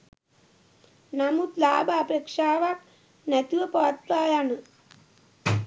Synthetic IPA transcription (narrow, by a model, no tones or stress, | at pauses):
namut̪laːbaapeːkʂaːʋak | nɛt̪uʋɐpaːt̪ɾaːjanɨ